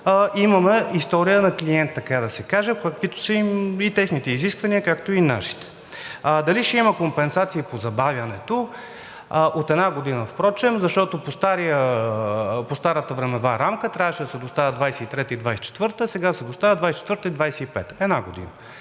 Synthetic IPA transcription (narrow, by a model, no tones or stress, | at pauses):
ʔimɐmɛist̪ɔɾijənɐkliɛnt̪ːɐkad̪ɐsɛkaʒɛkɐkvit̪o̥səimit̪ɛxnit̪ɛiziskvɐniəkakt̪oina̰ʃi̥t̪ɛ̥ | d̪ɐliʃɛimɐkompɛnsat̪siːpozɐbavʲjɐnɛt̪o | ʔot̪ɛd̪naɡod̪inəfpɾɔt͡ʃɛmzɐʃt̪ɔt̪opost̪aɾijə | post̪aɾət̪əvɾɛmɛvaɾamkət̪ɾʲavəʃɛd̪ɐsɛd̪ost̪avʲəd̪vajsɛit̪ɾɛt̪əid̪vajsɛ̥t͡ʃɛ̥t̪vɤɾt̪əsɛɡad̪ɐsɛd̪ost̪avʲəd̪vajsɛt͡ʃɛ̥t̪vəɾt̪əid̪vajsɛipɛ̰t̪ə̥ɛd̪naɡod̪ḭnə